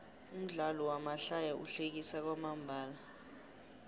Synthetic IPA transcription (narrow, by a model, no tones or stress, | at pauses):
um̩ɮalɔwamaɬajaṵɬek̬isak̬wamambʱaːla